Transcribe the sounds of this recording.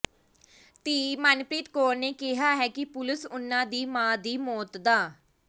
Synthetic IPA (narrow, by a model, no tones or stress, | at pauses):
t̪iːmənpɾiːt̪koːɾneːkɪɦaːɦɛːkɪpʊlɪsʊnːãːd̪iːmãːd̪iːmɔːt̪d̪aː